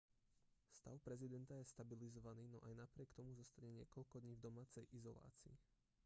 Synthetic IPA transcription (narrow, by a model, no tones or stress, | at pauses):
st̪a̰ʊpɾɛzid̪ɛnt̪ajɛst̪abilizɔʋaniːnɔʔajnapɾɪɛkt̪ɔmuzɔst̪aɲɛɲɪɛkɔʎkɔd̪ɲiːvd̪ɔmaːt͡sɛjʔizɔla̰ːt͡sḭː